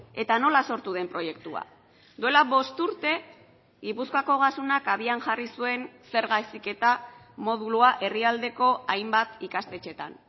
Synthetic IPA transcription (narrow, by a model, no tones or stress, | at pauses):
e̞t̪ano̞laso̞ɾt̪uð̞e̞mpɾo̞je̞kt̪ua̰ | d̪ue̞laβo̞st̪uɾt̪e̞ | ɣipuskoako̞ɣ̞asunakaβianʝarisue̞nse̞ɾɣajsike̞t̪a | mo̞ð̞uluaʔe̞riald̪e̞ko̞ajmbat̪ikast̪e̞t͡ʃe̞t̪a̰n